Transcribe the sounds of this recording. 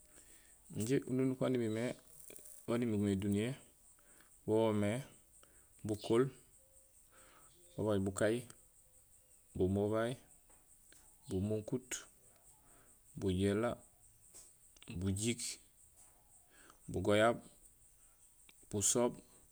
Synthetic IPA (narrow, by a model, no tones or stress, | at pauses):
ɲɟeʔununukanimime | wanimiɡmedunije | bome | bukol | bobaɟbukaj | bumoβaj | bumoŋkut | buɟela | buɟik | buɡojab̚ | b̥usob̚